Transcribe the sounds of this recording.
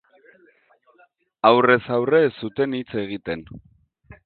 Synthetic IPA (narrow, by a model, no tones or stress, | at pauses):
awre̞sawre̞sːut̪e̞nit͡se̞ɣ̞it̪e̞n